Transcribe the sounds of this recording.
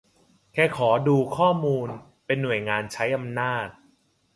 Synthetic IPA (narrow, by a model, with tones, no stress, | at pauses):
kʰɛː˥˩kʰɔː˩˦duː˧kʰɔː˥˩muː˧n | pe˧nːu˨˩əjŋaː˧nt͡ɕʰa˦˥jʔa˧mnaː˥˩t̪̚